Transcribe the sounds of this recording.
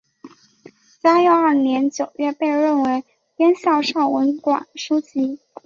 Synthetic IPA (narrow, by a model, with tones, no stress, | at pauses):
sa˥jɔ˥˧ɐ˞˥˩njɛ˧˥nt͡ɕjo˨˩ʊɥɛ˥˧pe˥˧ɪɻə˥˩nwe˧˥ɪ | t̪jɛ˥nɕjɑ˥˧ʊʂɑ˥˩ʊwə˧˥nkwa̰˨˩nʂu˥t͡ɕi˧˥